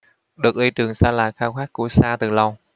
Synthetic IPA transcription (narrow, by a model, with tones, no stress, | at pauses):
ɗɨ˨˩ək̚ʔli˧t͡ɕɨ˨˩əŋsaː˧la̰ː˨˩jxaː˧wxaː˦˥kku˧˩əsaː˧t̪ɨ˨˩la˧w